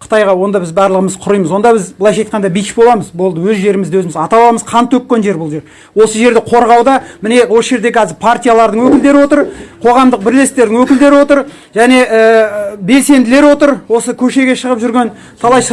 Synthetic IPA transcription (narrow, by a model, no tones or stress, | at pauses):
qʰə̥t̪ɑjʁɑwo̞nd̪ɑbɪzbɑɾlˠəʁəməzqʰʊɾəjməzwo̞nd̪ɑbɪzbəlˠɑjʃɑjt̪̚qɑnd̪ɑbijt͡ʃbo̞lˠɑməzbo̞lˠd̪əwɵzʒe̞ɾɪmɪzd̪ewɵzɪmɪzɑt̪ɑwˠɑməzqʰɑnt̪ʰːɵp̚ːʲe̞nʒe̞ɾbʊlˠʒe̞ɾ | wo̞səʒe̞ɾd̪ɪqʰo̞ɾʁɑwd̪ɑmɪne̞wo̞səʒe̞ɾd̪e̞kʲʰɑzɪɾpʰart̪ʲijalˠɑɾd̪əɴwɵkʲɪld̪e̞ɾɪwo̞t̪əɾqʰo̞ʁɑmd̪əq̚bɪɾle̞st̪t̪e̞ɾd̪ɪŋwɵkʲɪld̪e̞ɾɪwo̞t̪əɾ | ʒæne̞ʔəbe̞lse̞nd̪ɪle̞ɾwo̞t̪əɾwo̞səkʲʰɵʃe̞ɡʲe̞ʃəʁəpʒʏɾɡʲe̞n | t̪ʰɑlˠɑjs